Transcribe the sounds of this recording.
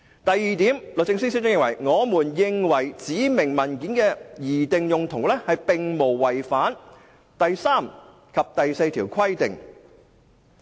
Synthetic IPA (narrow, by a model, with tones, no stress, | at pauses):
t̪ɐ˨jːiː˨˧t̪iː˨˥mlo˨˧t͡sɪ˧ŋsi˥si˥tt͡sʊ˥ŋjɪ˨ŋwɐ˨˩jŋɔː˨˧muː˨˩njɪ˨ŋwɐ˨˩jt͡siː˨˥mɪ˨˩ŋmɐ˨˩nkiː˨˥nkɛː˧jiː˨˩t̪ɪ˨ŋjʊ˨ŋt̪ʰʊ˨˩ŋ˥lɛ˥hɐ˨jpɪ˨ŋmo˨˩wːɐ˨jfaː˨˥n | t̪ɐ˨jsaː˥˩m | kʰɐ˨p̚t̪ɐ˨jse˧jt̪ʰiː˨˩wkʰɐ˥jt̪ɪ̰˨ŋ